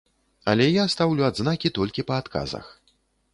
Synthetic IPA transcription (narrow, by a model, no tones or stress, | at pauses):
ɐlʲɛjast̪awlʲuad̪znakʲit̪ɔlʲkʲipɐːt̪kʰa̰zɐ̰x